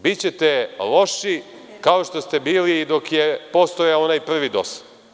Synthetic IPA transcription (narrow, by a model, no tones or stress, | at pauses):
bitt͡ɕet̪elo̞ʃi | kao̞ʃt̪o̞st̪ebiːliːd̪o̞kjepost̪ojaonajpr̩ʋid̪o̞̰sḁ